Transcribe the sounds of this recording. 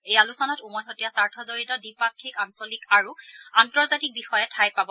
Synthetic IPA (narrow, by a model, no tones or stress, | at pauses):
ejalusɔnɔtumɔjɦotijasaɹtʰɔzoɹitɔdipakʰːikansɔlikaɹuantɔɹzatik̚bixɔjɛtʰajpabɔ